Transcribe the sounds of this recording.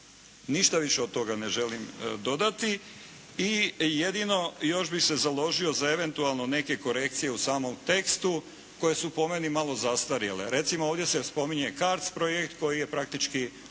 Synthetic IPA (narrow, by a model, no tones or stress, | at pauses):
niʃt̪aʋiʃeod̪̚t̪o̞ɡaneʒe̞limd̪o̞d̪at̪i | ijed̪ino̞jo̞ʃbixse̞zalo̞ʒio̞zae̞ʋe̞nt̪ualˠno̞ne̞ke̞ko̞ɾe̞k̚t̪sije̞usaːmo̞mt̪e̞kst̪u | ko̞je̞supo̞menimalo̞zast̪aɾjelḛɾe̞t̪simooʋvd̪jesespo̞miɲekaɾt̪spɾojekt̪ko̞jije̞pɾak̚t̪it͡ʃki